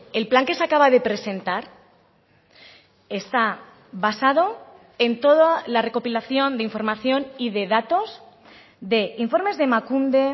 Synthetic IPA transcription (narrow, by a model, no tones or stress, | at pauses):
e̞lplaŋke̞sakaβaðe̞pɾe̞sẽ̞nt̪aɾ | e̞st̪a | βasað̞o̞ | e̞nt̪o̞ðalare̞ko̞pilaθjo̞nd̪eiɱfo̞ɾmaθjo̞niðe̞ðat̪o̞z | ðe̞iɱfo̞ɾme̞zðe̞makund̪e̞